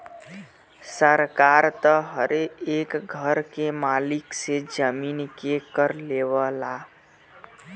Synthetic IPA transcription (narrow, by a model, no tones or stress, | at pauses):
səɾkaɾt̪əɦəɾeekɡʱəɾkemaliksed͡ʒəminkekəɾleβəla